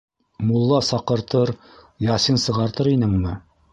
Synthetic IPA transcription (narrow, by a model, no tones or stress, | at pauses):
mulˠːɑsɑqɤ̆ɾt̪ɤɾ | jɑsinsɤ̆ʁɑɾt̪ɤɾinɘunɤ